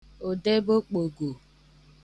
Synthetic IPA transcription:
o˨de˦bo˦k͡po˨ɡo˨

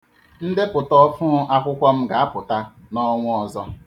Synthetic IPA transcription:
n̩˦de˦pʊ˨tɔ˦fʊ˦ʔa˦kʷʊ˦kʷɔ˦m̩˦ɡa˨a˦pʊ˨ta˦ | nɔ˦ŋʷʊ˦ɔ˨zɔ˦

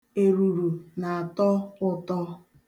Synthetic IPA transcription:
e˨ɾu˨ɾu˨na˨a˨tɔ˦ʊ˦tɔ˦

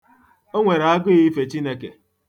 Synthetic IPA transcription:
o˦ŋʷe˨ɾa˦ɡʊ˦ɣi˦fe˨t͡ʃi˦ne˦ke˨

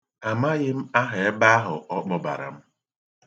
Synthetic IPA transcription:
a˨ma˦ɣɪ˦m̩˦a˦ɦe˨e˦ba˦ɦʊ˨ʔɔ˦k͡pɔ˦ba̰˨ɾa̰˨m̩˦

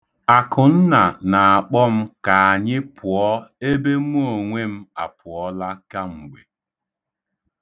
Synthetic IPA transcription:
a˨kʊ˨n̩˦na˨na˨a˨k͡pɔ˦m̩˦ka˨a˨ɲɪ˦pʰʊ˨ɔ˦e˦be˦m˦o˨ŋʷe˦m̩˦a˨pʰʊ˨ɔ˦la˦ka˦ŋ͡m̩˨ɡ͡bʷḛ˨

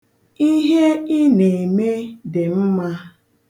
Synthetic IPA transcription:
i˦ɦe˦i˦ne˨me˦dɪ˨m̩˦ma˦

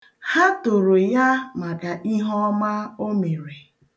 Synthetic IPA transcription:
ha˦to˨ɾo˨ja˦ma˨ka˨ʔi˦ɦɔ˦ma˦o˦me˨ɾe˨

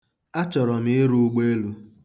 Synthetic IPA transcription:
a˦t͡ʃɔ˨ɾɔ˨m˦ɪ˦ɾu˦ɡ͡be˦e˦lu˦

